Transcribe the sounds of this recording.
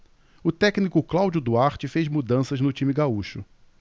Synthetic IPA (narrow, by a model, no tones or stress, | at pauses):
ʊt̪ɛknikʊklawd͡ʒʊd̪uaɾt͡ʃɪfejzmud̪ɐ̃sɐznʊt͡ʃĩmɪɡauʃʊ